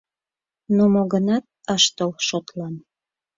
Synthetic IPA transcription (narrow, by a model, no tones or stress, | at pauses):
nomoɣənɑt̪̚əʃt̪əlʃot̪lɑn